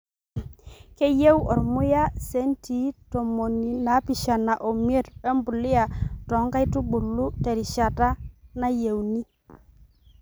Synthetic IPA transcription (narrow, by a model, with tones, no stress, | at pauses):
ke˦je˦wɔ˨ɾmʊ˦ja˦se˨˦nti˨˦to˨mo˨ni˨na˨˦pi˨ʃa˨na˨ʔo˨mje˦ɾɛ˦mbu˨lɪ˦a˨tɔ˨˦ŋɡa˦i˦tu˦bu˨lu˦tɛ˨ɾɪ˨ʃa˨ta˦na˦je˨wni˦